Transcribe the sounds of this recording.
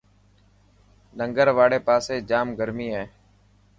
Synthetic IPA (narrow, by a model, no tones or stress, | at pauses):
nəŋɡəɾʋaːɽeːpaːseːd͡ʒaːmɡəɾmiːɦɛː